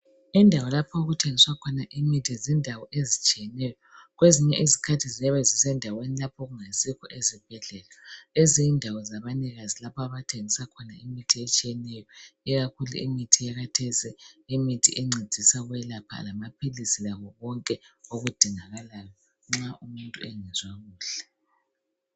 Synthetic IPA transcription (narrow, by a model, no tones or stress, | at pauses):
indʱawɔlapʰɔoɣutʰeŋiswakʰɔnaʔimitʰizindʱawɔʔezit͡ʃʼijɛnɛjɔɣweziɲɛʔizikʰatʰizɛβɛzisɛndʱawenilapʰoɣuŋasikʰɔ̰ʔezib̥ʱɛɮɛlaezijindʱawɔzaβaniɣazilapʰɔaβatʰeŋisakʰɔna̰imitʰiet͡ʃʼijɛnɛjɔiɣakʰulṵḭmitʰijaɣatʰɛsiːmitʰḭʔeŋ͡ǀe̥z̥ʱisaɣuwɛlapʰa̰lamapʰilisilaβɔβɔŋkʼɛoɣud̥ʱiŋaɣalajɔ | ŋ͡ǁaʔumuntʼuɛŋɛzwaɣuːɬɛ̥